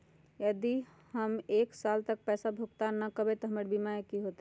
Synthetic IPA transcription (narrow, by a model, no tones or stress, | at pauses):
jəd̪i | həmeksalt̪ək̚pɛsabʱukt̪anəkəbet̪ɔɦəmeɾbimaekiɦot̪